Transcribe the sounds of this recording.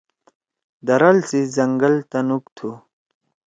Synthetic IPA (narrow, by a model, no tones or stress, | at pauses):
d̪ɐɾɐlsizɐŋɡɐlt̪ɐnukt̪ʰu